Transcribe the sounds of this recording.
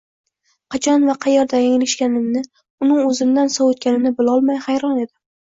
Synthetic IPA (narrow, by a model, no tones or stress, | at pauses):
qʰɑt͡ʃʰɒnvaqʰɑjaɾd̪ajŋɪlɪʃkʲanɪmnɪ | ʊnɪŋɵzɪmd̪ansɒwɵt̪̚kʲanɪnɪbɪlɒlˠmajhajɾɒne̞d̪ɪ